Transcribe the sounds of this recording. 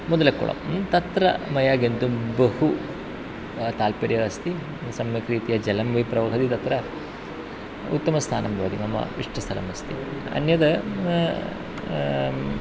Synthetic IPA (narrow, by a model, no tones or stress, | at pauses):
mɔd̪ɐlɐkṵɭɐ̰mt̪ɐt̪ɾɐ̰mɐjaːɡent̪ubɐhu | t̪aːlpɐɾjɐɐst̪i | sɐmjɐkɾiːt̪ijɐd͡ʒɐlɐmʋɐipɾɐʋɐɦɐd̪it̪ɐt̪ɾɐ | ṵt̪ːɐmɐst̪ʰaːnɐmbʱɐʋɐd̪imɐmːɐ̰iʂʈɐst̪ʰɐlɐ̰mɐst̪ʰḭɐ̰njɐd̪ɐ